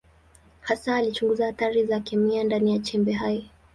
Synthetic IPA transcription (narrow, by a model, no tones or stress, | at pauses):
hasaːlit͡ʃuŋɡuzahataɾizakɛmiandanijat͡ʃɛmbɛɦajɔ